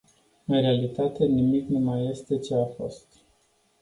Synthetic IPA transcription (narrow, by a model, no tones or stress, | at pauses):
ɨnɾe̞alit̪at̪e̞nimiknumaje̞st̪e̞t͡ʃe̞afo̞̰st̪